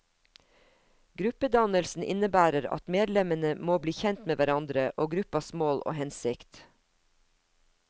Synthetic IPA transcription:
ɡɾʉpəd̪ɑnəlsn̩ʔɪ̰nəbæːɾəɾɑ̰t̪meːd̪lɛmənəmoːbliːçɛnt̪meːʋæɾɑnd̪ɾəʔoːɡɾʉpɑsmoːlʔo̰ːhɛnsɪkt̪

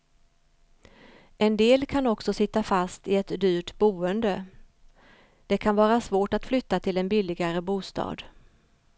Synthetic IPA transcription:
ʔɛnd̪eːlkʰanɔksɔsɪt̪ːafast̪ɪɛt̪d̪yːʈbuːənd̪ə | d̪̥ɛkʰanvɑːɾasvoːʈat̪flʏt̪ːat̪ʰɪlɛnbɪlɪɡaɾəbuːst̪ɑ̰ːd̪

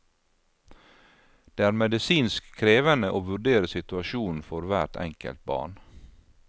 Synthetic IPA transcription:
d̪̥eːæːɾmɛd̪ɪsiːnskʰɾeːʋənəʔoːʋʉɖeːɾəsɪt̪ʉɑʃuːn̩fɔɾʋæʈɛ̰ŋkə̰lt̪̚bɑ̰ːɳ

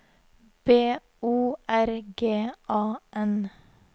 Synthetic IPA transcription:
b̥eː | uːʔæɾɡeːʔɑːʔɛn

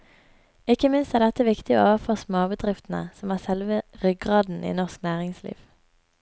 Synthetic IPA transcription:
ɪkəmɪnst̪æːʁd̪ɛt̪əʋɪkt̪ɪo̰ːoːʋəføːʁsmoːbəd̪ʁɪft̪n̩ə̰sɔmæːʁsɛlʋəʁʏɡʁɑːd̪n̩ʔḭːnɔʁsknæːʁɪŋslḭːʋ

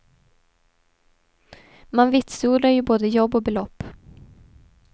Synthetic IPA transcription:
manvɪt̪suːd̪ɾaɾjɵboːd̪əjɔbːɔbɛlɔpː

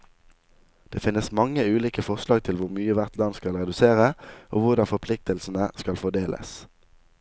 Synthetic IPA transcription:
d̪̥eːfɪnːəsmɑŋəʉːliːkəfɔʁʃlɑːɡ̚t̪ʰɪlʋʊʁmyːəʋæʁt̪ʰlɑnskɑlʁɛd̪ʉseːʁəʔo̰ːʋʊʁd̪ɑnfɔʁpʰlɪk̚t̪əlsn̩əskɑlfɔd̪eːlʔə̰s

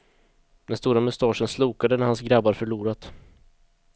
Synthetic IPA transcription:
d̪̥ɛnst̪uːɾamɵst̪ɑːʂənsluːkad̪ənæɾhansɡɾabːaɾfœɭuːɾat̪

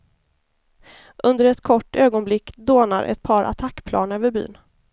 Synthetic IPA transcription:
ʔɵnd̪əɾɛt̪kʰɔʈːøːɡɔnblɪkːd̪oːnaɾʔɛ̰t̪̚pʰɑːɾʔa̰t̪ʰakːpʰlʔɑ̰ːnøːvəɾby̰ːn

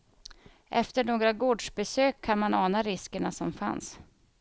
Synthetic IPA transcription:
ʔɛ̰ft̪əɳoːɡɾaɡoːɖʂbɛsøːkʰːanmanɑːnaɾɪskəɳasɔmfa̰ns

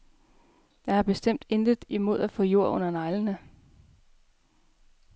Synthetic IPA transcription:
jɑ̈hɑb̥e̝sd̥em̰d̥end̥ðˠimo̝ð̞̰ˠæfɔ̽jo̝ɐ̰ɔ̽n̰ɐnɑ̈ɪlənə

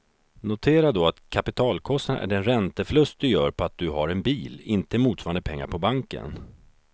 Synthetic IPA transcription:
nʊt̪ʰeːɾad̪ɔat̪kʰapɪt̪ʰɑːlkʰɔst̪anʔæ̰ɖɛnɾɛnt̪əflɵst̪̚d̪ɵjœːɾpʰɔat̪̚d̪ɵɦaɾɛnbiːlɪnt̪əmuːt̪sfɑːɾand̪əpʰɛŋːa̰ɾpʰɔbaŋkə̰n

